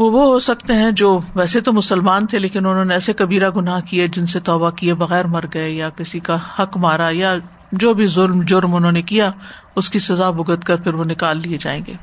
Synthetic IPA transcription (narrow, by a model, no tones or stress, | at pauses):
ʋoʋoɦosɐk̚t̪eɦɛ̃d͡ʒoːʋɛːset̪omʊsəlmaːnt̪ʰeleːkɪnʊnɦõːneɛːsekɐbiːɾaɡʊnaɦkied͡ʒɪnset̪ɔːbakiebɐɣɛːɾmɐɾɡɐejakɪsikahɐkmaːɾaja | d͡ʒoːbʱizʊlmd͡ʒʊɾmʊnɦõːnekija | ʊskisɐzabʊɡət̪kɐɾpʰɪɾʋonɪkaːlːied͡ʒa̰ːḛ̃ːŋɡḛː